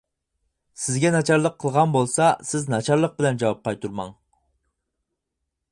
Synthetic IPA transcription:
sɪzɡʲɛnɑt͡ʃʰɑɾlˠəqʰːəlˠʁɑnbolˠsɑsɪznɑt͡ʃʰɑɾlˠəq̚bɪlɛnd͡ʒɑwɑp̚qʰɑjt̪ʰuɾmɑ̰ŋ

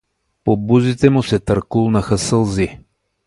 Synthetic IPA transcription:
pobuzit̪ɛmusɛt̪ɐɾkulˠnɐxəsəlˠzi

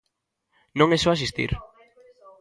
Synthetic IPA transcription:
nõŋesɔas̬ist̪ḭɾ

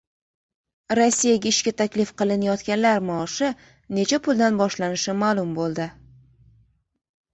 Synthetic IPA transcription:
ɾosːijaɡʲaɪʃkʲat̪ʰakʲlɪfqɨlˠɪnajɒt̪kʲanlaɾmaʃɪ | ne̞t͡ʃʰapʰʊlˠd̪anbɒʃlanɪʃɪmaːlˠʊmbolˠd̪ɪ

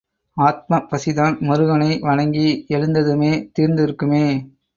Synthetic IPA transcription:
aːt̪̚mɐpːɐsɪðaːnmɔɾɯɣɐnɐɪʋɐɻɐŋɡiɛɻɯnd̪ɐðɯmeːt̪iːɾnd̪ɪɾɯkːɯmeː

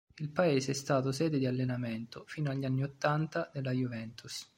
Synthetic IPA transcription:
ilpaeːseɛst̪aːt̪osɛːd̪ed̪ialːenament̪ofiːnoaʎːianːiot̪ːant̪ad̪elːajuvɛnt̪us

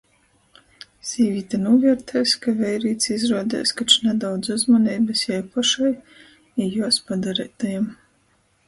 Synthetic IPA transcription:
z̥ʲiːvʲiːt̪anuːvʲiɛɾt̪ʰajskavʲɛjɾiːt̪sizɾuɔd̪ɛ̰ːskat͡ʃnɛd̪awd̪zuzmanʲɛːbɨsjajpaʃaj | ijuɔspad̪aɾɛːt̪ajam

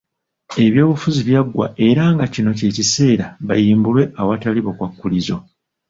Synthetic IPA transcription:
e̞βjo̞ːβufuziβjaɡːwa̰e̞ɾaŋɡacino̞ce̞cise̞ːɾaβajiːmbulwe̞ʔawataliβokwakːulizo̞

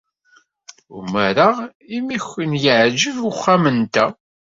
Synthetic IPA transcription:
umæɾaimiçːənjəʕd͡ʒəvəχːamənt̪æ

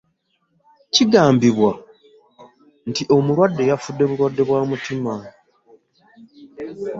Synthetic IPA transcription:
ciɡaːmbiβwa | ntiʔo̞muɾwadːe̞jafudːe̞βuɾwadːe̞βwaːmutima

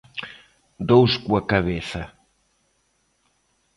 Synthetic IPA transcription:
d̪owskuɐkɐβeθɐ

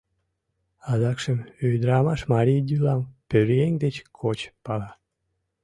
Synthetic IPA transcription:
ɑd̪ɑkʃəmøjd̪ɾɑmɑʃmɑɾʲijd̪ʲylɑmpøɾeŋʲd̪et͡ɕkʰot͡ɕpɑlɑ

